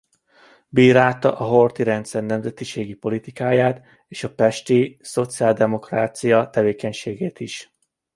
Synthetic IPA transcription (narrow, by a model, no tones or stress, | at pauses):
biːɾaːt̪ɒ̰ʔɒɦo̞rt̪iɾɛnt̪sɛrnɛmzɛt̪iʃeːɡipo̞lit̪ikaːjaːt̪ | eːʃɒpɛʃt̪iso̞t̪siaːld̪ɛmo̞kraːt̪sijɒt̪ɛveːkɛɲʃeːɡeːt̪iʃ